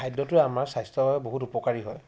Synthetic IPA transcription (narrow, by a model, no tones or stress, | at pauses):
ajdːɔtʊɹɛamaɹsajstɔbaɛboɦutupɔkaɹiɦɔj